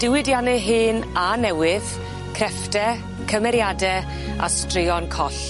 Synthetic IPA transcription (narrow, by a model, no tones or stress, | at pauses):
d̥ɪwɪdjanɨɦɨːnanɛwɪð | kʰrɛftɛ | kʰəmɛɾjadɛ | a̰strɪɔnkʰɔɬ